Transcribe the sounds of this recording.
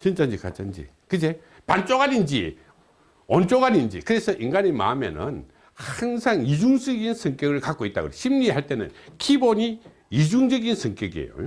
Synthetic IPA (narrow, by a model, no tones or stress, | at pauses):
t͡ɕint͡ɕ͈and͡ʑika̰t͡ɕ͈ʰand͡ʑḭ | kɯd͡ʑe | pant͡ɕ͈oɡaɾind͡ʑḭ | ʌnt͡ɕ͈oɡadind͡ʑḭkɯɾe̞sʰʌʔiŋɡaɲima̰mḛnɯ̰n | haŋsʰaŋid͡ʑuŋd͡ʑʌɡinsʰɯŋk͈jʌɡɯɭkak͈oit͈̚a̰ɣɯ̰ɾeɕʰimɲihaɭt͈e̞nɯ̰nkʰiboɲi | id͡ʑuŋd͡ʑʌɡinsʰɯŋk͈jʌɡiḛjo̰jo